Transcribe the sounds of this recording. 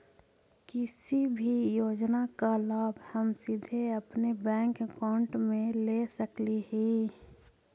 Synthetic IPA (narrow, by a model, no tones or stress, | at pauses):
kɪsibʱijoːd͡ʒnakalaːbʱhəmsid̪ʱeəpnebɛ̃ːŋkkaʊɳʈmẽlesəkliɦi